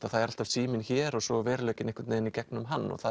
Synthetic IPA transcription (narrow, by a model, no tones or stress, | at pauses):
aðθaðɛɾal̥t̪av̥siːmɪnçɛːɾɔɣsɔvɛːɾlœːɥcɪnɛhkvʏ̥t̪nɛːðɪnicɛk̚nʏmɦanːɔ̰ɣθa